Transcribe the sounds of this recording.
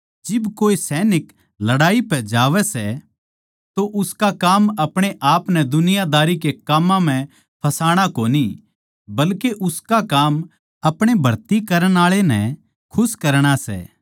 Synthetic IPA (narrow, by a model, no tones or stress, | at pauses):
d͡ʒɪbkoːisɛːnɪk | lɐɽaːipɛd͡ʒaːʋɛsɛ | t̪oʔʊskakaːmɐpɽ̃eʔaːpnɛd̪ʊnɪjad̪aːɾikekaːmːãm̤ɛ̃ | pʰɐsaːɽ̃akoːni | bɐlkeʔʊskakaːm | ɐpɽ̃ebʱɐɾt̪ikɐɾəɽ̃aːɭenɛ̃ | kʰʊskɐɾɽ̃asɛ̰ː